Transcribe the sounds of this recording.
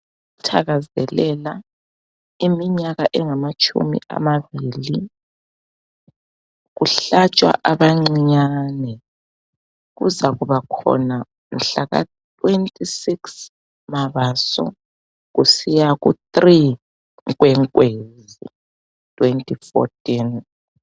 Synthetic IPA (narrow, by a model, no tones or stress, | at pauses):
utʰaɣazɛlɛla | imiɲaɣaʔɛŋamat͡ʃʼʰṵmḭa̰maβiːli | ɣuɬat͡ʃʼwa̰ʔaβaŋ͡ǀiɲanɛ | ɣṵzaɣuβakʰɔ̰na | m̩ɬaɣa̰ | tʰʼwentʼisiks | maβasɔ̰ | ɣusijaɣutri | ɣwɛŋkʼwezḭ | tʰʼwentʼifɔ̰tʰʼin